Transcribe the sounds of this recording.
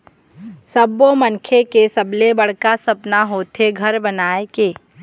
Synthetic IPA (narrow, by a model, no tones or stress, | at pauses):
səbomənkʰekesɐblebəɽ̤kasɐpnaɦoːt̪ʰeɡʱɐɾbənaːekeː